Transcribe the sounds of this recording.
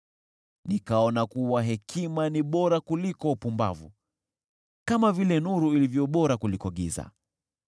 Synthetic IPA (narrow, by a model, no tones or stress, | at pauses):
nikaɔnakuwaɦɛkʰimaniɓɔɾakulikɔupumba̰vṵ | kamavilɛnuɾuilivjɔɓɔɾakulikɔɠiza̰